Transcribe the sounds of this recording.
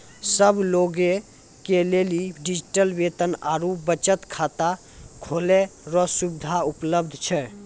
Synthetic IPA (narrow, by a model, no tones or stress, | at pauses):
səbloɡẽ | keleliɖid͡ʒiʈəlʋet̪ənaɾubət͡ʃət̪kʰat̪a | kʰoleɾɔsubɪd̪ʱaupləbd̪ʱt͡ʃʰɛ